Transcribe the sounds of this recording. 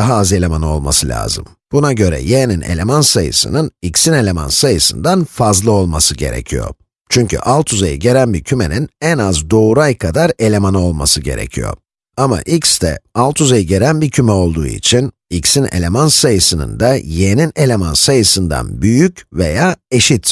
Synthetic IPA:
aɦaze̞lʲemanɯo̞lˠma̰sɯlʲa̰ːzɯm | b̥unaɟø̞ɾɛ̰jenine̞̰lʲemansajɯ̰sɯ̰nɯnicsine̞lʲe̞ma̰nsajɯsɯ̰nd̪anfazlˠɯo̞lˠmasɯɟe̞̰ɾḛcʰijo̰ | t͡ʃʰyɲcʰy̰ʔalˠt̪ʰuzajiɟe̞ɾænbiɾcʰyme̞ninɛnazd̪o̞uɾajkʰad̪aɾe̞lʲe̞manɯo̞lˠmasɯɟe̞̰ɾe̞̰cʰḭjo̞̰ | ama̰ʔicsd̪ɛ̰alˠt̪ʰuzajɯɟe̞ɾænbiɾcʰymɛo̞lˠd̪ṵːḭt͡ʃʰin | icsine̞̰lʲe̞mansajɯsɯnɯ̰nd̪ajenine̞lʲe̞mansajɯsɯnd̪a̰nbyjycve̞jaːe̞ʃit̪

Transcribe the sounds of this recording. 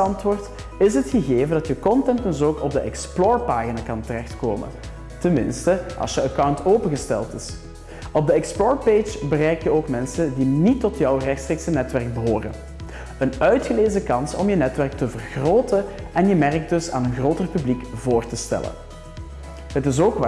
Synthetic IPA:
ɑntʋʊːrt | ɪsɦətxəɣeːvəndɑtjəkɔntɛntdəzoːkɔb̚dəʔɛksploːɹpaːɣinaːkɑntərɛxtkoːmə̰n | tənmɪ̰nstəʔɑ̰lˠsjəəkawntoːpəɣəstɛ̰lˠtɪs | ɔb̚dəɛksplɔːɹped͡ʒbərɛjkjəoːkmɛnsəndinitːɔtjɔwrɛxtstreːksənɛtʋɛrɡ̚bəɦoːrə̰n | ənœɥtxəleːzəkɑnsɔ̰mjənɛtʋɛrk̚təvərɣroːtə | ɛnjəmɛrək̚dɵsa̰ːnənɣroːtərpyblikvoːrtəstɛ̰lə̰n | ɦətɪs̬oːkʋa

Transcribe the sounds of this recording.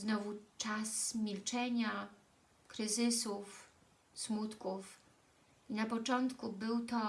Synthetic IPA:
znɔvut͡ʂasmʲilt͡ʂɛɲa | kɾɘzɘsuf | smut̪kuf | inapɔt͡ʂɔnt̪kubɘwt̪ɔ

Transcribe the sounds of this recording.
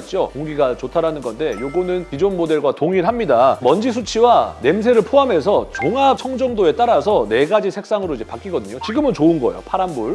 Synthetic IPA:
t͡ɕ͈okoŋɡiɡat͡ɕotʰaɾanɯnɡʌnde̞joɡonɯnkid͡ʑonmode̞ɭɡwatoŋiɭɦamɲidamʌnd͡ʑis̬ʰut͡ɕʰiwane̞ms̬ʰe̞ɾɯɭpʰoɦame̞s̬ʰʌt͡ɕoŋat͡ɕʰʌŋd͡ʑʌŋdoe̞t͈aɾasʰʌne̞ɡad͡ʑisʰe̞k̚s͈aŋɯɾoid͡ʑe̞pak͈iɡʌdɯɲot͡ɕiɡɯmɯnt͡ɕoɯnɡʌ̰jo̰pʰaɾambuɭ

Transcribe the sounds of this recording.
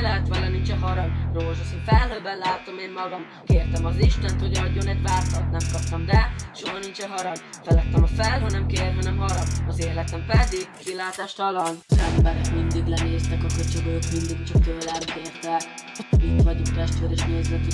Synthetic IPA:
lɛɦɛt̪ʋɒlɒnint͡ʃɛɦɒɾɒɡroːʒɒsonfɛlɦøːbɛnlaːt̪ːɒmeːmmɒɡɒm | keːrt̪ɛmɒziʃt̪ɛnt̪hoɟɒɟːonɛɟvaːt̪ɒlt̪nɛmkɒp̚t̪ɒmd̪ɛʃoɦɒnint͡ʃɛɦɒɾɒɡfɛlɛt̪ːɛmɒfɛlɦønɛmkeːɾɦɒnɛmɦɒɾɒɡɒzeːrlɛt̪ɛmpɛd̪iɡkilaːt̪aːʃt̪ɒlɒnzɛmbɛɾɛkmind̪iɡlɛneːst̪ɛkɒkøt͡ʃeɡøjokmind̪iɡt͡ʃɒkt̪øːlɛmkeːrt̪ɛkit̪ʋɒɟokt̪ɛʃt̪ʋeːɾɛʃneːzlɛt̪y

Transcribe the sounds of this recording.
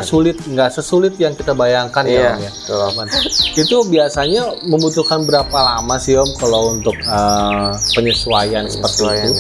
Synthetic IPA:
sulɪt̪̚ŋɡaʔsəsulɪt̪̚jaŋkit̪abajaŋkanaaja | manit̪ubiasaɲaməmbut̪uhkanbəɾapalamasiɔmkalaunt̪ʊk̚əpəɲəsuajansə̥pərt̪iitu

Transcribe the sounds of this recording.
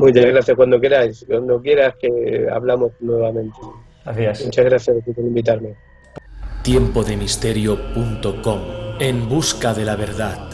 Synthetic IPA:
mujt͡ʃazɣɾaθjakwand̪okeɾajskwand̪okjeɾaskea̰βlamoznweβamẽ̞nt̪e | mut͡ʃazɣɾaθjasat̪ipoɾimbit̪̬aɾme | t̪jempoðemist̪eɾjopunt̪okomembuskaðelaβeɾðat̪

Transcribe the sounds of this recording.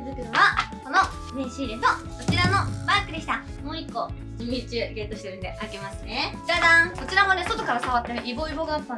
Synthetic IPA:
zɯkɯ̟̃βako̞no̞ | meɕiːd̪eno | sot͡ɕiɾano̞bakɯ̟d̪e̞ɕi̥t̪a | mo̞ːikːo̞ | d͡ʑimʲit͡ɕɨɡẽ̞t̪o̞ɕi̥t̪eɾɯ̟nd̪e̞ʔake̞masned͡ʑad̪ãko̞t͡ɕiɾamone̞so̞t̪okaɾasaβat̪ːeɾɯʔibo̞ːibo̞ːɡaːpːã

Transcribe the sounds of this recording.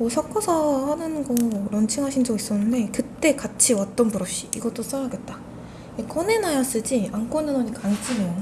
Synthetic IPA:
mosʰak͈ʰʌsʰahanɯnɡʌɾʌnt͡ɕʰiŋɦaɕʰind͡ʑʌɡis͈ʌnːɯnde̞kɯt͈e̞kat͡ɕʰiwat̚t͈ʌnpuɾʌɕ͈i̥iɡʌt͈os͈aɾaɡe̞t̚t͈a | ekʌne̞najas͈ɯd͡ʑiaŋk͈onenʌɲikaŋt͡ɕ͈ʰimejo

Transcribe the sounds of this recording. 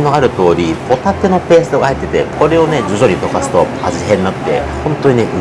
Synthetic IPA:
no̞aɾɯ̟t̪o̞ːɾʲipo̞t̪ak̪ːeno̞pe̞ːsɨd̪oɡahait̪ːet̪e̞̰ko̞ɾe̞o̞ne̞d͡ʑozo̞ɾʲit̪o̞kasɨ̥t̪o̞ | a̰ziɦẽ̞nːakɯ̟̥t̪e̞̰hõ̞nt̪o̞ɲ̟ine̞ʔɯ

